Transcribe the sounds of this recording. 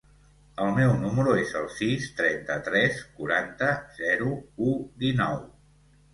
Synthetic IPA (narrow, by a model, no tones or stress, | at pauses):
əlˠmɛwnuməɾuezəlˠsist̪ɾɛnt̪ət̪ɾɛskuɾant̪əzɛɾuud̪inɔw